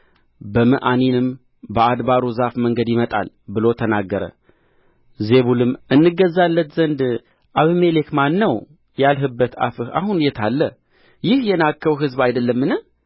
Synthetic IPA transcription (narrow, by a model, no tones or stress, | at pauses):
bəmɨʔaninɨm | bəʔad̪baɾuzafməŋɡəd̪jɪmət̪ʼa̰l | bɨlo̞t̪ʰənaɡːəɾə̰ | zeβulɨmʔɨnːɨɡəzːalːət̪zənd̪ | ʔaβɨmelekmanːəw | jalɦɨbːət̪a̰fɨha̰hunjɛt̪ʰalːə | jɪhjɛnakːəwɦɨzbajd̪əlːəmːɨnɨ